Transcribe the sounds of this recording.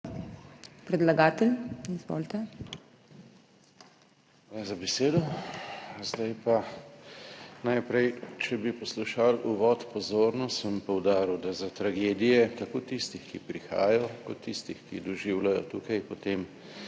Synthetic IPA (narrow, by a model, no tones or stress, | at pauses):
pɾɛd̪laɡaːt̪ɛlizʋo̰ːlt̪ɛ | aazabɛseːd̪ɔ | zd̪ajpa | najpɾɛjt͡ʃɛbipɔsluʃaluʋɔːt̪pɔzoːɾnɔsəmpɔwd̪aːɾiwd̪azat̪ɾaɡeːd̪ijɛt̪akoːt̪ist̪ixkipɾixa̰ːjɔkɔt̪ʰːist̪ixkid̪ɔʒiwlajɔ̰t̪uːkɐjpɔt̪em